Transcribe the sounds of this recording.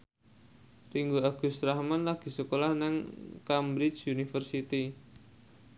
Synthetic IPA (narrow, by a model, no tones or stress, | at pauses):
riŋɡoaɡ̥ṳst̪ɾahmanlaɡ̥i̤səkolahnɪŋkambɾit͡ʃunifərsit̪i